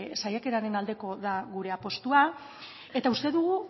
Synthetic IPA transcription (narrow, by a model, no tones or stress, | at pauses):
sajake̞ɾaɾe̞nald̪e̞ko̞ðaɣuɾe̞apo̞st̪ua | e̞t̪aust̪e̞ðuɣ̞u